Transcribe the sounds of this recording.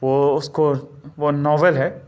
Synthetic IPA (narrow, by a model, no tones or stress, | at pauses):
ʋoʊskoʋonɔːʋelɦɛː